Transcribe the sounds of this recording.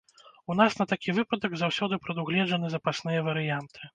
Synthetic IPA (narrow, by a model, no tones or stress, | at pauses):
un̪asnɐt̪akʲivɨpɐd̪ɐɡzawsʲɔd̪ɨpɾɐd̪uɣlʲɛd͡ʐɐnɨzɐpasnɨjɐvɐɾɨjant̪ʰɨ̥